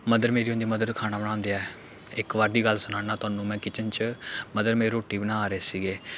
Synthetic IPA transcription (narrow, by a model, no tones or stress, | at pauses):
məd̪əɾmeːɾiːɦʊ̃ːnd̪iːməd̪əɾkʰaːnaːbəɽ̃ãːnd̪eːɛː | ɪkʋaːɾd̪iːɡəlsʊnaːnaːt̪ʊaːnũːmɛ̃ːkɪt͡ʃənt͡ʃməd̪əɾmeːɾeːɾoːʈiːbənãːaːɾeːsiːɡeː